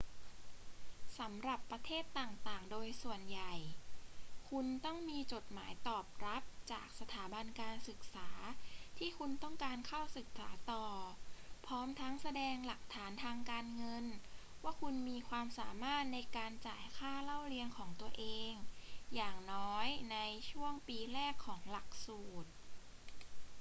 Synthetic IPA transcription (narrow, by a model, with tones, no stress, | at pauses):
sa˩˦mɾa˨˩pːɾa˧t̪ʰeː˥˩t̪ːaː˨˩ŋt̪aː˨˩ŋdoː˧jsu˨˩ənja˨˩j | kʰu˧nt̪ɔ˥˩ŋmiː˧t͡ɕo˨˩t̪̚maː˩˦jt̪ɔː˨˩p̚ɾa˦˥p̚t͡ɕaː˨˩k̚sa˧t̪ʰaː˩˦ba˧nkaː˧nsɯ˨˩k̚saː˩˦t̪ʰiː˥˩kʰu˧nt̪ɔ˥˩ŋkaː˧nkʰa˥˩wsɯ˨˩k̚saː˩˦t̪ɔː˨˩pʰɔː˦˥mt̪ʰa˦˥ŋsa˧dɛː˧ŋla˨˩k̚t̪ʰaː˩˦nt̪ʰaː˧ŋkaː˧nŋɤ˧n | waː˥˩kʰu˧nmiː˧kʰwaː˧msaː˩˦maː˥˩t̪̚na˧jkaː˧nt͡ɕaː˨˩jkʰaː˥˩la˥˩wɾi˧ənkʰɔː˩˦ŋt̪u˧ɐʔeː˧ŋjaː˨˩ŋnɔː˦˥jna˧jt͡ɕʰu˥˩əŋpiː˧ɾɛː˥˩kʰːɔː˩˦ŋla˨˩k̚suː˨˩t̪̚